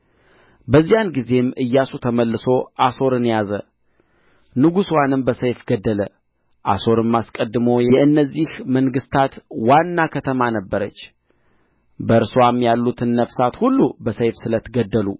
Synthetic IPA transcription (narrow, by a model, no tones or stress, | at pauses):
bəzːijanɡize̞mʔɨjːasut̪ʰəməlːɨso̞ʔaso̞ɾɨnjazə̰ | nɨɡuswanɨmbəsəjfɡəd̪ːələ | ʔa̰so̞ɾɨmːaskʼəd̪ːɨmo̞jɛʔɨnːəzːihməŋɡɨst̪ʰat̪wanːakʰət̪ʰəmanəbːəɾət͡ʃː | bəɨɾswamjalːut̪ʰɨnːəfsat̪hulːubəsəjfsɨlət̪ɡəd̪ːəlṵ